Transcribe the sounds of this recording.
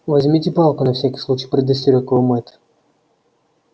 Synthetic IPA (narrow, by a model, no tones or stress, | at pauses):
vɐzʲmʲitʲɪpalˠkʊnɐfsʲakʲi̥slˠut͡ɕijpɾʲɪd̪əsʲt̪ʲɾʲokvəmɛt̪ə̥